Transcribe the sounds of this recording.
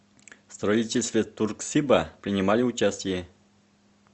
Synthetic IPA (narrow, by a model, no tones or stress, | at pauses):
st̪rɐitʲelʲst̪vʲet̪urksʲibapɾʲɪnʲɪmalʲɪut͡ɕasʲtʲɪje